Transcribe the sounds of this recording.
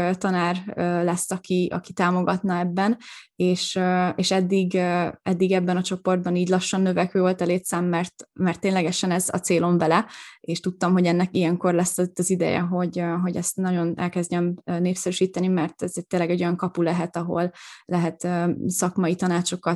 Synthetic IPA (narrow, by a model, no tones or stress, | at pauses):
t̪ɒnaːrøːlɛsːɒkiɒ̰kit̪aːmo̞ɡɒt̪nɒɛbːɛneːʃøeːʃɛd̪ːiɡɛd̪ːiɡɛbːɛnɒt͡ʃo̞po̞rd̪̚bɒniːɟlɒʃːɒnːøvɛkøːvo̞lt̪ɒleːt̪saːmːɛrt̪mɛrt̪ːeːnlɛɡɛʃɛnɛzɒ̰t̪seːlo̞ɱbɛlɛeːʃt̪ut̪ːɒmɦo̞ɟɛnːɛkijɛŋko̞rlɛsːɒit̪ːɒzid̪ɛ̰jɛ̰ɦo̞ɟɦo̞ɟɛst̪nɒɟo̞nɛ̰lkɛzɟɛmøneːpsɛɾyʃiːt̪ɛnimɛrt̪ɛzɛɟ̚t̪ːeːlɛɡɛɟo̞jɒŋkɒpulɛɦɛt̪ɒɦo̞̰llɛɦɛt̪øːsɒkmɒit̪ɒnaːt͡ʃo̞kɒ